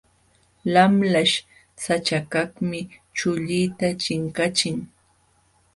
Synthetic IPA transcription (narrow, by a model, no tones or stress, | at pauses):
lamlaʃ | sat͡ʃakaχmɪt͡ʃʊʎijt̪at͡ʃɪŋkat͡ʃɪŋ